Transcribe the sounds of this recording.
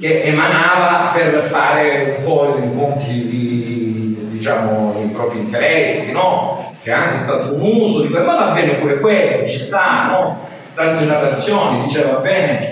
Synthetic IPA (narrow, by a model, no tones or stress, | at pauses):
k̟eʔːmanaːvaperfaːɾeumpɔikont̪id̪i | d̪it͡ʃaːmoepɾɔːpɾint̪eɾɛsːinɔ | k̟eaŋk̟est̪aːt̪ounuːzod̪ikmavabːɛːnekomekwelːoet͡ʃːist̪anːo | t̪ant̪et̪at̪at̪sːjoːnid̪it͡ʃɛːvabːɛːne